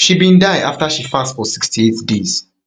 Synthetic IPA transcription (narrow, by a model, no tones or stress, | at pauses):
ʃibĩndaɪaftaʃifastfɔsikstietdeːz̥